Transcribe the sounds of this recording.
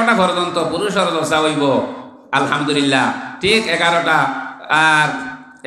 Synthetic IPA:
ʈapɔɾod͡ʒɔnt̪ɔpuɾuʃ̬ɔɾɔd̪ɔsaɦojbo | alɦamd̪ulilːaʈʰikeɡaɾoʈa | ɾ

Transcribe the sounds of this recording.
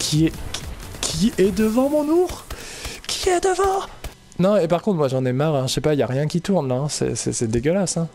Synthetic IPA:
kʲʰiɛkʲʰiɛd̪əvɑ̃mɔ̃nuʁkʰʲi̥ɛd̪əvɑ̃ | nɔ̃epaʁkɔ̃t̪χmwaʒɑ̃nɛmaʁɛ̃ʃɛpailjaʁjɛ̃kʲit̪uʁnlãsɛ̰sɛ̰sɛd̪eɡʲəlasɛ̃

